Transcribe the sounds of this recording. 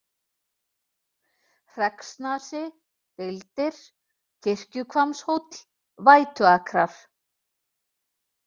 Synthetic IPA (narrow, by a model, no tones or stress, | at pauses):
r̥ɛksnasɪ | t̪ɪlt̪ɪɾ̥ | cʰɪr̥cʏkʰvamshowt̪ | vaːjt̪ʏakʰɾaɾ̥